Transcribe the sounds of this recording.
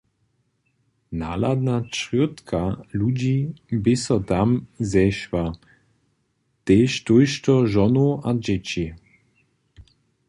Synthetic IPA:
naːlad̪nat͡ʃʁit̪kʰalud͡ʑibɪsɔt̪amzɛʃva | t̪eːʃt̪ujʃtɔʒɔnoʔad͡ʑɛt͡ɕi

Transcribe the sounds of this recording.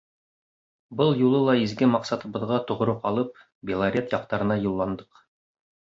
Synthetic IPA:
bɤlˠjulˠɤlˠɑizɡɘmɑqsɑt̪ɤ̆βɤ̆ðʁɑt̪ŏʁ̆ɾɤqɑlˠɤp̚ | bʲelˠaɾʲet̪jɑq̚t̪ɑɾɤ̆nɑjulˠːɑnd̪ɤq

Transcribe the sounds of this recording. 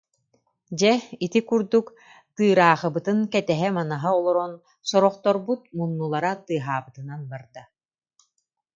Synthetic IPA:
d͡ʑɛit̪ikuɾd̪uk | t̪ɯːɾaːχɯbɯt̪ɯnkɛt̪ɛɦɛmanaɦaɔlˠɔɾɔn | sɔɾɔχt̪ɔɾbut̪̚munːulˠaɾat̪ɯːɦaːbɯt̪ɯnanbaɾd̪a

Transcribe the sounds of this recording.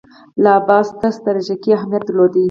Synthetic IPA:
lɑbɑst̪ast̪aɾʒakiaɦmjat̪̚d̪lod̪i

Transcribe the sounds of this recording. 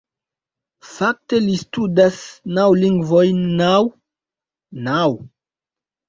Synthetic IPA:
fak̚te̞listudasnawliŋɡvojnaw | naw

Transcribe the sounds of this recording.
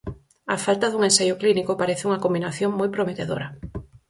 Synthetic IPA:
ɐ̰falt̪ɐaðuŋẽnsajʊklinikʊpaɾeθɪuŋɐkombinaθjoŋmojpɾomet̪eðo̰ɾɐ

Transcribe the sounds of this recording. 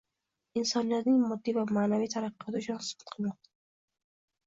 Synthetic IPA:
ɪnsɒnijat̪imɔd̪ːivamanavit̪ʰaɾaqiɔt̪iʃɔnsbḁt̪qnad̪

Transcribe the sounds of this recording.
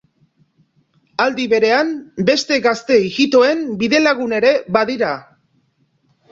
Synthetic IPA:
ald̪iβe̞ɾe̞ambe̞st̪e̞ɣast̪e̞iɣit̪o̞e̞mbiðe̞laɣune̞ɾe̞βaðiɾa

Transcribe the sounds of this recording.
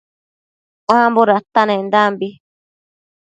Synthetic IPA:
ʔããmboɾat̪anẽnd̪ambi

